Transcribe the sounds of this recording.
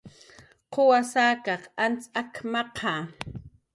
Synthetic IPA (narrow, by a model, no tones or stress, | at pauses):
qʰowasaːkɑqant͡sakmɑqʰɑ